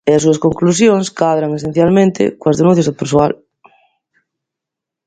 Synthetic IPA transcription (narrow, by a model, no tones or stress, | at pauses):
eas̬uaskoŋklus̬jõŋskaðɾaŋes̬ẽn̟θjalmẽnt̪ḛkoazðenũnθjazðopeɾswal